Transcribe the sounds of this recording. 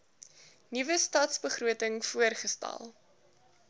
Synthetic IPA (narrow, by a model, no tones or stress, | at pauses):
nivəstɑːtsbəχruətəŋfuərχəstæ̰lˠ